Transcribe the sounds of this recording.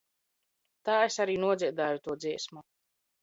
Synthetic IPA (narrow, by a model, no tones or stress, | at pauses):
t̪aːesaɾiːnuɔd̪ziɛd̪aːjut̪uɔd̪ziɛsmu